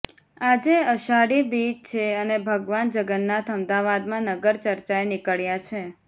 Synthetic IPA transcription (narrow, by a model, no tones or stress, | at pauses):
ad͡ʒeəʃaɽibit͡ʃt͡ʃʰeənebʱəɡʋand͡ʒəɡənːat̪ʰəmd̪aʋad̪mãnəɡəɾt͡ʃəɾt͡ʃaenɪkəɭjat͡ʃʰe